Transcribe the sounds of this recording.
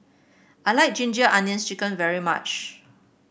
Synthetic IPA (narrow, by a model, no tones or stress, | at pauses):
ʔaɪlaɪk̚d͡ʒĩnd͡ʒəʔãnjə̃nst͡ʃikə̃nvɛɹima̰t͡ʃ